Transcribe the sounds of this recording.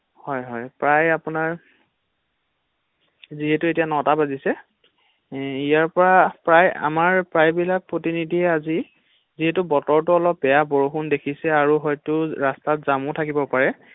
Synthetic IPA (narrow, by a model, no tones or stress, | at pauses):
hɔjɦɔjpɹajapʊnaɹ | ziɦɛtuetijanɔtabazisɛ | ijaɹpɔɹapɹaja̰maɹpɹajbilak̚pɹotinidʱiɛazi | ziɦɛtʊbɔtɔɹtuɔlɔpːɛjaboɹoxundekʰisɛaɹuɦɔjtʊɹastatzamʊtʰakibɔpaɹɛ